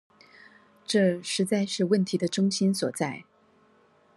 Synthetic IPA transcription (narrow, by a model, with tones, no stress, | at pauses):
ʈ͡ʂɤ˥˩ʂɻ̩˧˥t͡sa˥˧ɪʂɻ̩˥˧wə˥˩nt̪ʰi˧˥d̪ə˧ʈ͡ʂʊ˥ŋɕi˥nswɔ˨˩t͡sa˥˩ɪ